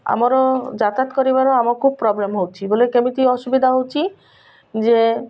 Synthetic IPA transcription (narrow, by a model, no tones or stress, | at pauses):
a̰maɾɔd͡ʒat̪at̪kɔɾibaɾoamɔkʰub̚pɾɔblemɦowt͡ʃʰibolekemiʈiɔʃubid̪ʱaɦowt͡ʃʰi | d͡ʑe